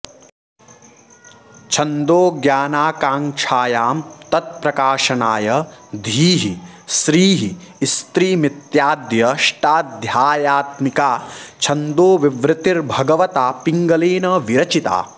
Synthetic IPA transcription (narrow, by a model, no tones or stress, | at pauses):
t͡ʃʰɐnd̪oːɡjaːnaːkaːŋt͡ʃʰaːjaːmt̪ɐt̪̚pɾɐkaːʂɐnaːjɐd̪ʱiːɦi | sɾiːɦi | st̪ɾiːmit̪jaːd̪jɐʂʈaːd̪ʱjaːjaːt̪mikaːt͡ʃʰɐnd̪oːʋiʋɾɪt̪iɾbʱɐɡɐʋɐt̪aːpiŋɡɐleːnɐʋiɾɐt͡ʃit̪a̰ː